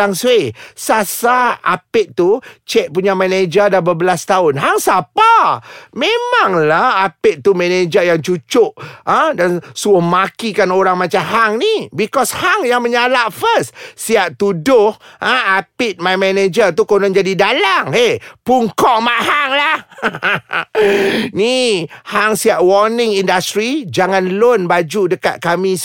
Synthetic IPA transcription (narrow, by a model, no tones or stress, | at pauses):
aŋswesasaa̰pɪt̪̚t̪ut͡ʃɛk̚puɲamɛned͡ʒədabəbəlast̪aʊnɦaŋsapamemaŋlahapɪt̪̚t̪ːumɛned͡ʒəjaŋt͡ʃut͡ʃʊʔadansuəmakikanoɾaŋmat͡ʃamɦaŋnibikɔshaŋjaŋməɲalaʔfəssiaʔt̪udʊhaapɪt̪̚majmɛned͡ʒət̪ukonɔŋd͡ʒadidalaŋepuŋkɔʔmaʔhaŋlah | nihaŋsiaʔwɔrnɪ̃ŋindast̪ɾid͡ʒaŋãnlonbad͡ʒudəka̰t̪̚kami